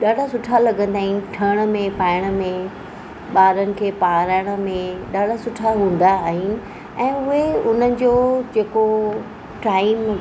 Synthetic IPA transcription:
ɗaːɖʱasʊʈʰalɐɡə̃nd̪aːɦɪnɪ̆ʈʰɐɽ̃ə̆mẽpaːɪɽ̃ə̆mẽ | ɓaːɾənɪ̆kʰeːpaːɾaːɪɽ̃ə̆mẽɗaːɖʱasʊʈʰaɦũːn̆d̪aːɦɪnɪ̆ | ɛ̃ːʊɦeʊn̤ənɪ̆d͡ʑoːd͡ʑeːko | ʈaːɪm

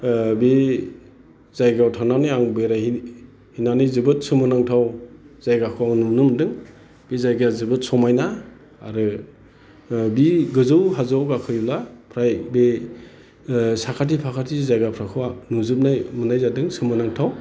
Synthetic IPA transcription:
be | zajɡawtʰananiaŋbeɾahi | hinanijzɯbɯt̚sɯmɯnaŋtʰawz̥ajɡakʰuwawnumnɯmdɯŋ | b̥ezajɡazɯbɯt̚sɔmajnaː | ɾɯ | biɡɯzɯwɦazawɡakʰɯjulapʰɾajbe | sakʰat̬ipʰakʰatʰizajɡapʰɾakʰɯwanuzɯp̬̚najmunajzadɯŋsɯmɯnaŋtʰaw

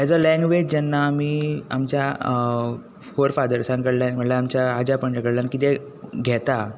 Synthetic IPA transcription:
ɛd͡zɔlɛ̃ŋɡʋed͡ʑd͡ʑɛnːaːmiːa̰mt͡ɕja | foɾfad̪əɾsãŋkəɽljanm̤əʈljaamt͡ɕjaad͡ʑapəɳd͡ʑeɡəɽljankit̪ɛ | ɡʱɛt̪a

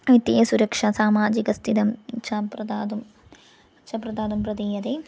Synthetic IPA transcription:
it̪jijɐsuɾɐkʂɐsaːmaːd͡ʑikɐst̪ʰid̪ɐmt͡ʃʰɐpɾɐd̪aːd̪um | t͡ʃʰɐpɾɐd̪aːd̪umpɾɐd̪iːjɐd̪e

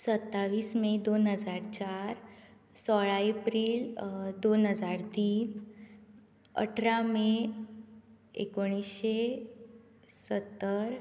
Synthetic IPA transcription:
sət̪ːaʋiːsmed̪onɦəd͡zaɾt͡ɕaɾ | sɔɭaepɾiːld̪onɦəd͡zaɾt̪iːn | ə̰ʈʰɾamẽ | ḛkoɽ̃isɕe | sət̪ːəɾ

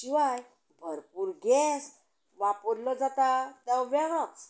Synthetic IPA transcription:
t͡ɕiʋaj | bʱəɾpuɾɡɛs | ʋapəɾlɔd͡zat̪at̪ɛʋɛɡəks

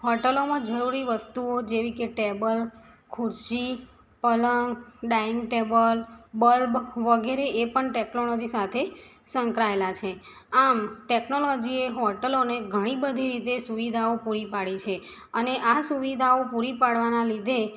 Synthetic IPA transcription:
ɦɔʈəlomãd͡ʒəɾuɾiʋəst̪uod͡ʒeʋikeʈebəl | kʰuɾʃi | pələŋɡɖaiŋɡʈebəlbəlbʋəɡeɾeʔepəɳʈeknolɔd͡ʒisat̪ʰe | sə̃ŋkɾaelat͡ʃʰe | amʈeknolɔd͡ʒieɦɔʈəloneɡʱəɽ̃ibəd̪ʱiɾit̪esuʋid̪ʱaopuɾipaɽit͡ʃʰe | əneʔasuʋid̪ʱaopuɾipaɽʋanalid̪ʱe

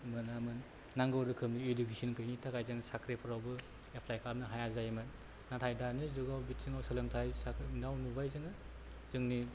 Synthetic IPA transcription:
mɯnamɯnː | aŋɡɯwɾɯkʰɯmniedukisinkʰɯjnitʰakajzaŋsakɾepʰɯɾawbɯ | epʰlajkʰap̚nɯɦajazajmɯn | natʰajdanizuɡawbit̚siŋawsɐlemtʰajsaknawnubajzɯŋɯ | zɯŋni

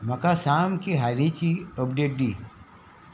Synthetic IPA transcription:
mɐkasaːmkiɦanit͡ʃiopɖeːʈ̚ɖiː

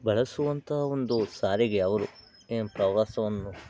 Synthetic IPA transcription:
bɐɭɐsuʋɐnt̪ɐɦɐo̞nd̪usaːɾiɡeɐʋɐɾu | epɾɐʋaːsɐʋɐnːu

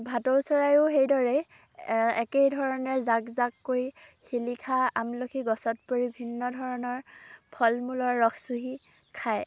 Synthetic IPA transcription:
bʱatɔɹsɔɹajʊɦejdɔɹɛ | ɛ̰kejdʱɔɹɔnɛɹzakzakːojhilikʰaamlokʰiɡɔsɔt̚poɹibʱinːɔdʱɔɹɔnɔɹpʰɔlmulɔɹːɔxʰsuɦi | kʰaj

